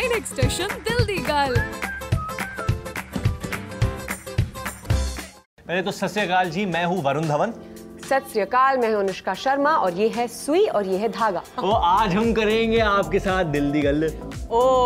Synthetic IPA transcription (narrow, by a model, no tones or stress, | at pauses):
ɪneksʈeːʃənd̪ɪld̪iɡɐl | pɛːlet̪osɐsjəkaːld͡ʒiːmɛ̃ːɦũʋɐɾʊ̃nd̪ʱɐʋən | sɐsjəkaːlmɛ̃ːɦonʊʃkaʃɐɾmaʔɔːɾjeːɦɛsuiɔːɾjeɦɛd̪ʱaːɡaːoːʔaːd͡ʒɦɐmkɐɾẽːŋɡeaːp̚kesaːt̪̚ʰd̪ɪld̪iɡɐloː